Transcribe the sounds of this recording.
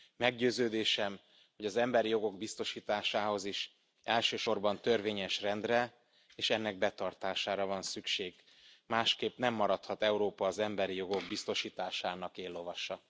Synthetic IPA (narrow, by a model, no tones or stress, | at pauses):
mɛɡɟøːzøːd̪eːʃɛm | ho̞ɟɒzɛmbɛɾijo̞ɡo̞ɡbist̪o̞ʃiːt̪aːʃaːho̞ziʃ | ɛlʃøːʃo̞rbɒnt̪ø̞rveːɲɛʃrɛnd̪rɛ | eːʃɛnːɛɡ̚bɛt̪ɒrt̪aːʃaːɾɒvɒnsykʃeːɡ | maːʃkeːpnɛmːɒɾɒt̪hɒt̪ɛuɾoːpɒːzɛmbɛɾijo̞ɡo̞ɡ̚bist̪o̞ʃiːt̪aːʃaːnɒkeːlːo̞vɒʃːɒ